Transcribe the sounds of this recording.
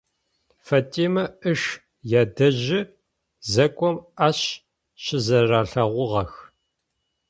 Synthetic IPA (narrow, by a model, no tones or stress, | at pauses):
fɐtʼeːmɐɨʂ | jaːdɐʒɪ | zɐkʷʼɔmaɕ | ɕɪzɐraːɬɐʁʷʊʁɐx